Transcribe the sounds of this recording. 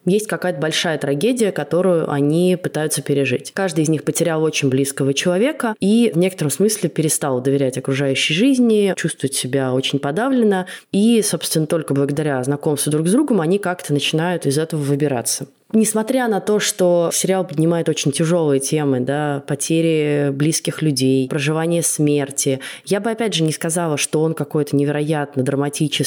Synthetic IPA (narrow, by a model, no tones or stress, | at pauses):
jesʲtʲkɐkajət̪əbɐlʲʂajət̪ɾɐɡʲedʲɪjəkɐt̪o̞ɾʊjʊ̰ʔɐ̰nʲipɨt̪ajʊt̪səpʲɪɾʲɪʐɨ̰tʲkaʐd̪ɨɪzʲnʲixpətʲɪɾʲalˠo̞t͡ɕɪnʲblʲiskəvət͡ɕɪlˠɐvʲe̞kəivnʲe̞kət̪əɾəmsmɨsʲlʲɪpʲɪɾʲɪst̪alˠd̪əvʲɪɾʲætʲɐkɾʊʐajʉɕːɪjʐɨzʲnʲɪt͡ɕust̪vəvətʲsʲɪbʲao̞t͡ɕɪnʲpɐd̪avlʲɪnəiso̞pst̪vʲɪnːət̪o̞lʲkəblˠəɡəd̪ɐɾʲaznɐko̞mst̪vəd̪ɾuɡzd̪ɾuɡəmɐnʲikakt̪ənət͡ɕɪnajʊt̪ɪzɛt̪əvəvɨbʲɪɾa̰t̪sə | nʲɪsmɐt̪ɾʲanɐt̪o̞ʂt̪osʲɪɾʲɪalˠpədʲnʲɪmajɪt̪o̞t͡ɕɪnʲtʲɪʐo̞lˠɨjətʲe̞mɨd̪apɐtʲʰeɾʲɪblʲiskʲɪxlʲʉdʲejpɾəʐɨvanʲɪjəsmʲe̞rtʲɪjabɨɐpʲædʲʐɨnʲɪskɐzɑlˠəʂt̪o̞o̞nkɐko̞jt̪ənʲɪvʲɪɾɐjat̪nəd̪ɾəmɐtʲit͡ɕɪ